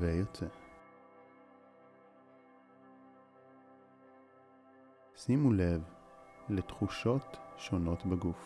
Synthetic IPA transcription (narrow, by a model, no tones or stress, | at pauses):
vejot͡se | simule̞vlet̪χuʃo̞tʃono̞t̪beɡuf